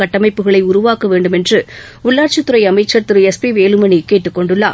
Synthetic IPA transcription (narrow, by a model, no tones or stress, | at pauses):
ɐʈːɐmɐɪpːɯɣɐɭɐɪʊɾʊʋaːkɐʋeːɳɖɯmɛndrɯ | ʊɭːaːɾt͡ʃɐt̪ːɯɾɐɪɐmɐɪt͡ʃːɐɾt̪ɪɾɯɛspiʋeːlɯmɐnikeːʈːɯkːɔɳɖɯɭːaː